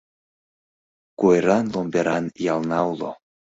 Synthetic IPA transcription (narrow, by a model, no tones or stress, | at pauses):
kueɾanlombeɾanjalnawlo̰